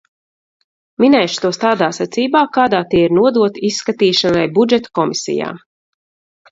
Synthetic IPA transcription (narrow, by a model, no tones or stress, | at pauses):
minɛjʃʊ̥t̪uɔst̪aːd̪aːsɛt̪siːbaːkaːd̪aːt̪iɛiɾnuɔd̪uɔt̪iisːkat̪iːʃanajbud͡ʒɛt̪ḁkɔmisḭja̰ː